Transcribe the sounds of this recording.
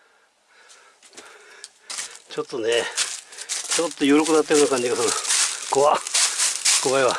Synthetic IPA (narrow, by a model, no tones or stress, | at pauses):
t͡ɕot̪ːone | t͡ɕot̪ːojoɾokɯnat̪̬ːajonakãɲd͡ʑiɡasonakoβa | koβaeβa